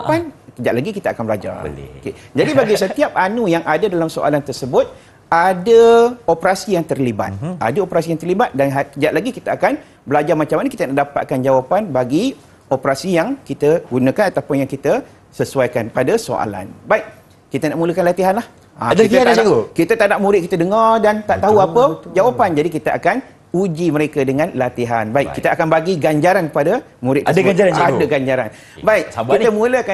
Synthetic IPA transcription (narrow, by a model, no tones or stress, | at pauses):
pansədaʔlaɡikit̪aakanbəlad͡ʒa̰r̰oked͡ʒadibaɡisət̪iap̚anũjaŋʔadadalamso̰ʔa̰lant̪ərsəbʊt̪̚ | adaopɾasijaŋt̪ərliba̰t̪̚a̰daopɾasijaŋt̪ərlibat̪̚danɦasəd͡ʒaʔlaɡikit̪aakan | bəlad͡ʒarmat͡ʃamanakit̪anaʔdapa̰t̪̚kand͡ʒawapanbaɡi | opɾasijaŋkit̪əɡunãkanat̪aupʊnjaŋkit̪ə | səsuajkanpadaso̰a̰la̰nbaɪʔ̚ | kit̪ənaʔmũləkanlat̪iɦanlah | aiaaiokit̪ət̪aʔnaʔmuɾɪt̪ʔ̚kit̪ədəŋɔrdant̪aʔt̪aɦuapəd͡ʒawapand͡ʒadikit̪əʔa̰kan | ud͡ʒiməɾekədəŋãnlat̪iɦa̰nbaɪʔkːit̪əakanbaɡiɡaɲd͡ʒaɾankəpada | mũɾɪtʔ̪̚paɡad͡ʒaɾaadəɡaɲd͡ʒaɾa̰n | baɪʔkiəmũləka